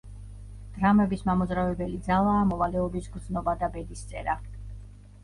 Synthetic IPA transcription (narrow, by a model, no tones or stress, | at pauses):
d̪̥ɾamɛbismamɔzɾavɛbɛlid̪zalˠaːmɔvalɛɔbisɡɾd̪znɔbad̪abɛd̪ist̪sʼɛɾa